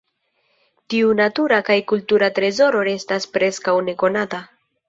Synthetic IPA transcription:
tiunatuɾakajkultuɾatɾe̞zo̞ɾo̞ɾe̞staspɾe̞skawne̞ko̞nata

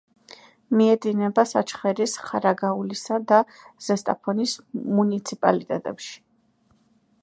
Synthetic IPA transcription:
miɛd̪inɛbasat͡ʃʰχɛɾisχaɾaɡaulisad̪a | z̥ɛst̪ʼa̰pʰɔnismunit̪sʰipʼa̰lit̪ʼɛt̪ʼɛpʃi̥

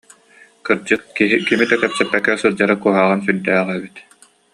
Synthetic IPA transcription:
kɯɾd͡ʑɯkkiɦikimit̪ɛkɛpsɛpːɛkːɛsɯɾd͡ʑaɾakuɔɦaːʁansyɾd̪æːʁɛbyt̪

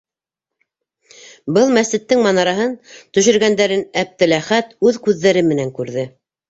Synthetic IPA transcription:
bɤlˠmæsɘ̆t̪ːɘŋmɑnɑɾɑɦɤnt̪ɵ̆ʃɵ̆ɾɡænd̪æɾɘnæp̚t̪ɘ̆læχæt̪ʉðkʉðːæɾɘmɘ̆næŋkʉɾðɘ

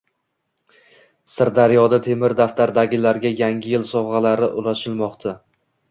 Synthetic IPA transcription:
sɪɾd̪aɾjɒd̪at̪ʰe̞mɪɾd̪aft̪ʰaɾd̪aɡʲɪlaɾɡʲajaŋɡʲɪjɪlsɒwʁɑlaɾɪʔʊlˠaʃɪlˠmɒqt̪ʰa

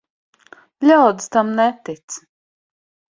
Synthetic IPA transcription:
lʲawd̪st̪amnɛt̪it̪s

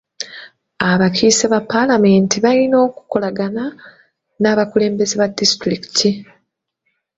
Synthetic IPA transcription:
aβakʰiseβapːalame̞ntiβajino̞ːku̥ko̞laɡana | naːβakule̞ːmbe̞zeβadistɾiki̥tʰi

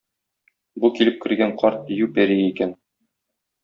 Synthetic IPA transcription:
bukilɘp̚kɘ̆ɾɡæɴqʰɒɾt̪̚jʉpæɾiikæn

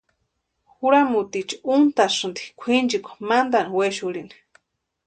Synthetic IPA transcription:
xuɾamut̪it͡ʃiunt̪aʂɨnd̪i̥kʷʰind͡ʒikʷḁmand̪aniweʃuɾini̥

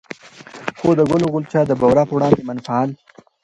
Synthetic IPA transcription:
xod̪əɡʊloɣʊlt͡ʃɑd̪əbawɾɑpəwɽɑnd̪emanfaɑl

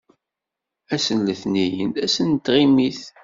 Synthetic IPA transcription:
æsənləθnijənæsənt̪ːʁimiθ

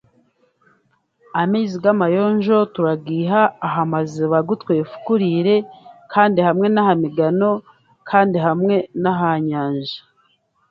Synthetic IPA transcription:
amiːziɡwamajo̞ːɲʒo̞tuɾaɡiːɦaːɦamazeβaɡutkweːfu̥kuɾiɾe̞kʰaːndihamŋe̞nahamiɡano̞ | kʰaːndiɦamŋe̞naɦaɲaːɲʒḁ

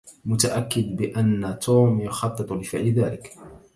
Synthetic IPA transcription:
mʊt̪aʔakːɪd̪bɪʔanːat̪ʰuːmjʊxɑt̪ˤːɨt̪ˤʊlɪfɪʕlɪðaːlɪk

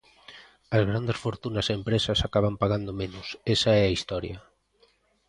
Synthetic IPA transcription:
ɐzɣ̞ɾand̪esfoɾt̪unɐsempɾesɐsakaβampaɣand̪omenusesaɛɐist̪ɔɾjɐ

